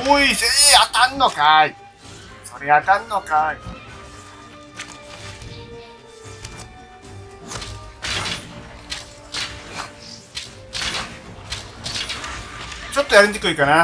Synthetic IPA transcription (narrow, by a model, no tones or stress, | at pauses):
moiseɾeat̪anːokai | soɾeat̪anːokai | t͡ɕot̪ːojaɾɯ̃nt̪ekɯikana